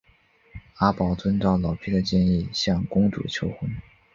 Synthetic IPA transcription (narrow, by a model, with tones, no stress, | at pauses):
a˥pɑ˧˥ʊt͡swə˥nʈ͡ʂɑ˥˩ʊlɑ˨˩ʊpʰi˥˩d̪ə˨˩t͡ɕjɛ˥˧ni˥˩ɕjɑ˥˩ŋkʊ˥ŋʈ͡ʂṵ˨˩t͡ɕʰjo˥ʊxwə˥n